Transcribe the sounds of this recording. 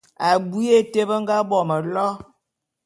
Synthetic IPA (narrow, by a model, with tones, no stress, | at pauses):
a˨bu˦e˦te˦bə˦ŋ̩˦ɡa˦bɔ˨mə˨lɔ˦